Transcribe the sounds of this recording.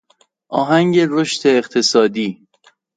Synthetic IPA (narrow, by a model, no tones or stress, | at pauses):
ʔɒːɦæŋɟe̞ɾoʃt̪e̞ːχt̪ʰe̞sɒːd̪iː